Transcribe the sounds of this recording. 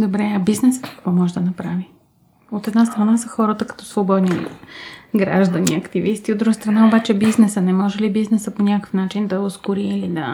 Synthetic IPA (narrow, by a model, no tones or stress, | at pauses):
d̪obɾɛɐbiznɛsə̥kɐ̥kvɔmɔʒɛd̪ɐnɐpɾavi | ot̪ɛd̪nast̪ɾɐnasəxɔɾət̪əkɐ̥t̪ɔ̥svobɔd̪nḭ | ɡɾa̰ʒd̪ɐniɐkt̪ivist̪iod̪ɾuɡəst̪ɾɐnaobat͡ʃɛbiznɛsənɛmɔʒɛlibiznɛsəponʲakkə̥fnat͡ʃind̪ɐoskʊɾiːlid̪ə